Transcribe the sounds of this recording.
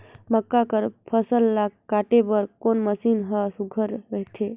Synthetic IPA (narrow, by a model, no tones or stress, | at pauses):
məkːakəɾpʰəsəlːakaʈebəɾkonməsinɦəsuɡʱəɾːəɦt̪ʰe